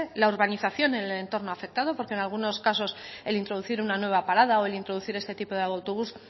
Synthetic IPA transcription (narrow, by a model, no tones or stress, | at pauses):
elauɾβaniθaθjo̞nele̞nt̪o̞ɾno̞afe̞k̚t̪að̞o̞poɾkenalɣuno̞skaso̞se̞lint̪ɾo̞ð̞uθiɾunanwe̞β̞apaɾað̞aoe̞lint̪ɾo̞ð̞uθiɾe̞st̪e̞t̪ipoð̞aawt̪oβ̞us